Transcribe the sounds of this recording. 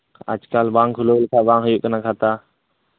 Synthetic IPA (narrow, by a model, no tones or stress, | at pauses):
ə̰d͡ʒkaːlʋaːŋkʰʊloːlkʰaːʋaːŋɦʊjuknakʰaːt̪aː